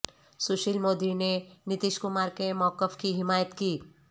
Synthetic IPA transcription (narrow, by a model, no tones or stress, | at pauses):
sʊːʃilmoːd̪inenɪt̪ɪʃkʊmaːɾkemɔːkəfkiɦɪmaːjət̪kiː